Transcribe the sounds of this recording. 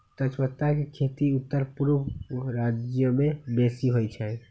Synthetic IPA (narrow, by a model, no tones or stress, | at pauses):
t̪ət͡ʃmət̪ːakekʰet̪iut̪ːəɾpuɾʋɾad͡ʒjəmẽbesiɦojt͡ʃʰɛ̃